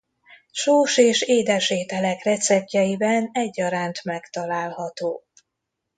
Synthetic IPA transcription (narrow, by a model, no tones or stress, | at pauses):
ʃoːʃeːʃeːd̪ɛʃeːt̪ɛlɛkrɛt̪sɛp̚jɛjibɛnɛɟːɒɾaːnt̪mɛkt̪ɒlaːlɦɒt̪oː